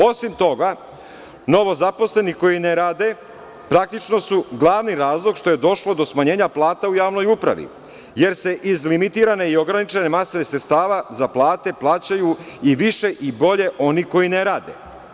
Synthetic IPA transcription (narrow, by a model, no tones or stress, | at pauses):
o̞simt̪o̞ɡa | no̞ʋo̞zapo̞sle̞niko̞jineɾaːd̪e̞ | pɾak̚t̪it͡ʃno̞suɡlˠaːʋniɾaːzlˠo̞ɡʃt̪o̞je̞d̪o̞ʃlˠo̞d̪o̞smaɲe̞ːɲaplˠaːt̪aujaːʋno̞jupɾa̰ʋḭ | je̞ɾse̞ʔizlimit̪iɾane̞io̞ɡɾanit͡ʃenemasonesɾet̪st̪aːʋazaplˠaːt̪e̞plˠaːt͡ɕaju | iʋiʃe̞ʔibo̞ʎe̞ʔo̞niko̞jineɾaːd̪ḛ